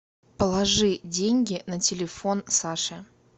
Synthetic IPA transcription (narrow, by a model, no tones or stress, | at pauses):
pəlˠɐʐɨdʲenʲɡʲɪnətʲɪlʲɪfonsaʂɨ